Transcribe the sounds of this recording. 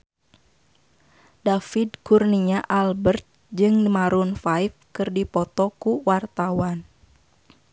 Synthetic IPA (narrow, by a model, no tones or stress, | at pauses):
dafidkurniɲaʔalbərt̪̚ | d͡ʒɨŋmaɾunfajfkɨrdipɔt̪ɔkuwart̪awan